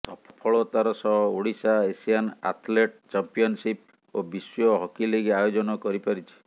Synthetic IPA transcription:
sɔpʰɔ̥pʰɔɭɔt̪aɾɔsɔɦɔoɽisaesijana̰t̪ʰleʈ̚t͡ʃampiɔnsip | obisjɔɦɔkileɡiajod͡ʒɔnɔkɔɾipaɾit͡ʃʰi̥

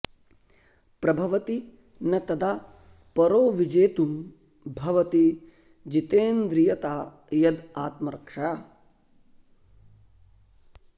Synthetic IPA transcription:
pɾɐbʱɐʋɐt̪i | nɐt̪ɐd̪aː | pɐɾoːʋid͡ʒeːt̪um | bʱɐʋɐt̪i | d͡ʒit̪eːnd̪ɾijɐt̪aː | jɐd̪aːt̪mɐɾɐkʂa

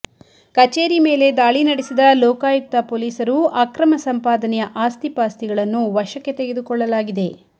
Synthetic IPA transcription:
kɐt͡ʃeːɾime̞ːle̞d̪aːɭinɐɽesid̪ɐlɔːkaːjuk̚t̪ɐpoːliːsɐɾuaːkɾɐmɐsɐmpaːd̪ɐnɛjɐʔaːst̪ipaːst̪iɡɐɭɐnːuʋɐʃɐkːe̞t̪eɡed̪ukɔɭːɐlaːɡid̪e̞

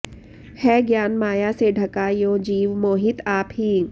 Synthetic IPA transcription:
hɛːɡjaːnmaːjaseɖʱɐkaːjõːd͡ʒiːʋmoːɦɪt̪aːpɦiː

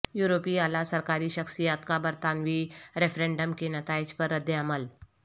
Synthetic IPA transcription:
juːɾoːpiaːlasɐɾkaːɾiʃɐxsijaːt̪kabɐɾt̪aːnwiɾɛfʰɾẽːɳɖəmkenɐt̪aːɪd͡ʒpɐɾːəd̪ːjəɐməl

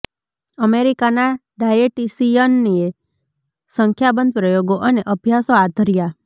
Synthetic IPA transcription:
əmeɾikana | ɖajeʈisiənːie | səŋkʰjabənd̪̚ʱpɾəjoɡoʔəneʔəbʱjasoad̪ʱəɾija

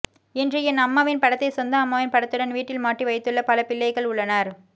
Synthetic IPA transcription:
ɪndrɯɛnɐmːaːʋɪnpɐɽɐt̪ːɐɪsɔnd̪ɐːmːaːʋɪnpɐɽɐt̪ːɯɽɐnʋiːʈːɪlmaːʈriʋɐɪt̪ːɯɭːɐpɐlɐpɪlːɐɪɣɐɭʊɭːɐnaːɾ

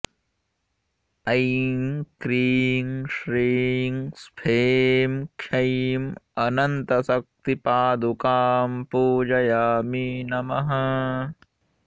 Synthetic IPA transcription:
ɐjŋkɾiːŋʃɾiːŋspʰeːmkʃɐjmɐnɐnt̪ɐsɐk̚t̪ipaːd̪ukaːmpuːd͡ʒɐjaːminɐmɐɦɐ

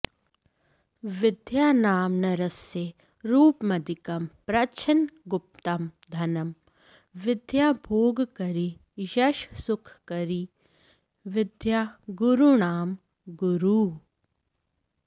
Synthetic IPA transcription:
ʋɪd̪ʱjaːnaːmnɐɾɐsje | ɾuːpmɐd̪ikɐmpɾɐt͡ʃʰɐnɡʊp̚t̪ɐmd̪ʱɐnɐm | ʋɪd̪ʱjaːbʱoːɡkɐɾi | jɐʃsʊkʰkɐɾi | ʋɪd̪ʱjaːɡʊɾunaːm | ɡʊɾuː

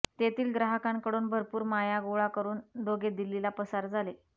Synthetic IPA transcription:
t̪et̪iːlɡɾaɦəkãŋkəɽuːnbʱəɾpuːɾmajaɡoɭakəɾuːnd̪oɡed̪ilːilapəsaɾd͡zʱale

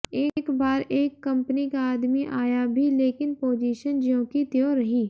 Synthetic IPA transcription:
eːkbaːɾeːkːɐ̃mpənikaːd̪miʔaːjabʱileːkɪnpoːd͡ʒiːʃənd͡ʒõːkit̪joɾɐɦiː

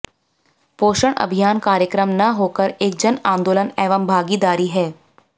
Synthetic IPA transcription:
poːʃəɽ̃ɐ̰bʱijaːnkaːɾjəkɾəmnɐɦoːkəɾeːk̚d͡ʒɐnãːnd̪oːlənɛːʋəmbʱaːɡid̪aːɾiɦɛː

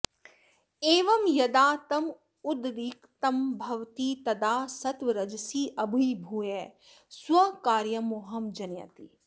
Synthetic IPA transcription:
eːʋɐmjɐd̪aːt̪ɐm | ʊd̪ɾiːkt̪ɐmbʱɐʋt̪iːt̪ɐd̪aːsɐt̪ʋɐɾɐd͡ʒsiːʔɐbuibʱuːje | swɐkaːɾjɐmoːɦɐmd͡ʒɐnjɐ̰t̪i

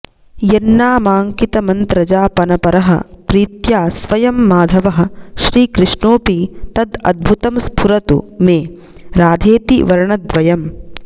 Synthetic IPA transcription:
jɐnːaːmaːŋkit̪ɐmɐnt̪ɾɐd͡ʒaːpɐnɐpɐɾɐɦɐ̰pɾiːt̪jaːsʋɐjɐmːaːd̪ʱɐʋɐɦɐ̆ʃɾiːkɾɪʂɳoːpit̪ɐd̪ɐ̰d̪̚bʱut̪ɐmspʰuɾɐt̪ṵmeː | ɾaːd̪ʱeːt̪ḭʋɐɾɐɳɐd̪ʋɐjɐm

